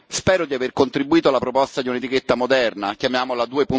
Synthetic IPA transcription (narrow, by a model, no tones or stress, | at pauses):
spɛːɾod̪iaverkont̪ɾibːuiːt̪oalːapɾopɔst̪ad̪iunet̪iket̪ːamod̪ɛrnakjamjaːmolad̪uːepun